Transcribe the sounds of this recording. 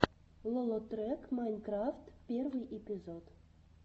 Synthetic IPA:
lˠŏlˠot̪rʲekmajnʲkraft̪pʲervɨjʔepʲizot̪

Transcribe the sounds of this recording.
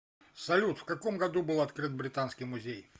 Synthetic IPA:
sɐlʲut̪fkɐko̞mɡɐd̪ubɨlˠɐt̪kɾɨt̪̚bɾʲɪt̪anskʲɪjmʊzʲej

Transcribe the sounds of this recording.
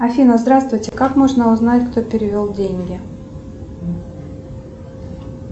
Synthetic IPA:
ɐfʲinəzd̪ɾast̪vʊjtʲɪkakmo̞ʐnəʊznatʲkt̪opʲɪɾʲɪvʲolˠdʲenʲɡʲɪ

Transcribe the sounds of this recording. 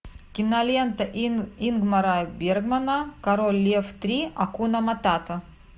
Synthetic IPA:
kʲimnalʲent̪ɐinɡmɐɾabʲerɡmɐnakɐɾolʲːeft̪ɾʲiɐkunɐmat̪at̪ɐ

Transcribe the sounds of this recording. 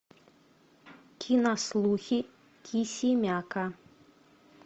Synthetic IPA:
kʲʰinaslˠuxʲi | kʲʰisʲimʲaka

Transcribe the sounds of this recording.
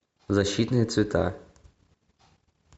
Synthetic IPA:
zɐɕːit̪nɨjət̪svʲɪt̪ʰa̰

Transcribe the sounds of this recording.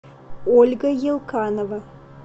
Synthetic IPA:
olʲɡɐjelˠkʰɑnovɐ

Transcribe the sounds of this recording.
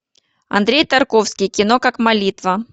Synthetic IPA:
ɐ̰nd̪ɾʲejt̪ɐrkofskʲɪjkʲɪno̞kakmɐlʲit̪və

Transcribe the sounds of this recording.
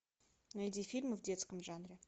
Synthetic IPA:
ajd̪ʲifʲilʲmofd̪ʲet̪skəmʒɑnɾə

